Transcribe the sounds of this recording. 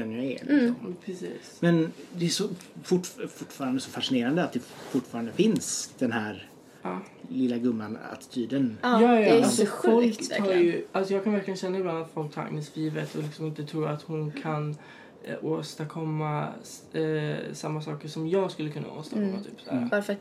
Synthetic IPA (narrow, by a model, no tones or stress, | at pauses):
ɛnːjaɛ̰lɪsɔmpʰɾɛsḭːsmɛnd̪ɛæʂɔfʊʈfʊʈːfɑːɾand̪əsɔfaʂɪneːɾand̪əat̪̚d̪ɛfʊʈːfɑːɾand̪əfɪnsd̪̥ɛnhæːɾ | ɑː | lɪlːaɡɵmːana̰t̪ɪ̥t̪ʰyːd̪ənjɑːjɑalsɔfɔlktt̪ʰɑːɾjɵʔalsɔjɑːkʰanvæɾklɪɡənɕɛnːaɪblanːat̪fɔlk̚t̪ʰɑ̰ɾa̰nːəsliːvət̪ʰɔlɪksɔmɪnt̪ət̪ʰɾuːat̪hʊnkʰan | oːst̪akʰɔmːa | samːasɑːkəʂɔmjɑːɡskɵlːəkʰɵnːa̰o̰ːst̪akkɔmːat̪ʰy̰ːpsæ̰ːɾa̰vaɾfat̪